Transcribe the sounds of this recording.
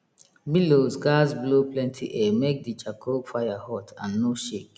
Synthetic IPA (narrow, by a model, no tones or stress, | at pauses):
milozɡazbloplɛ̃ntʰḭʔɛmek̚dit͡ʃakʰofajahɔtʰã̰nːoʃek